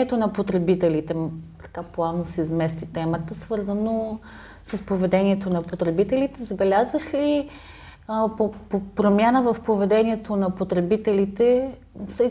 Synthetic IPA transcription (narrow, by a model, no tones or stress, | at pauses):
ɛt̪onɐpot̪ɾɛbit̪ɛlit̪ɛt̪ɐ̥kaplˠavnosizmɛst̪it̪ɛmət̪əsvɤɾzəno | səspovɛd̪ɛnʲiɛt̪onɐpot̪ɾɛbit̪ɛlit̪ɛzɐbɛlʲazvəʃli | popopɾomʲjanəvɐfpovɛd̪ɛniɛt̪onɐpot̪ɾɛbit̪ɛlit̪ɛ | sɛ